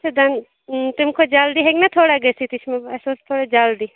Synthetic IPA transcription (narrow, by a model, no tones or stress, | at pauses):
t͡ʃʰed̪ɐn | t̪ɪmkʰod͡ʒaːld̪iɦeɡnɐt̪ʰoːɽaɡɐsit̪ɪt͡ʃʰmẽɐsot̪ʰoːɽed͡ʒaːld̪iː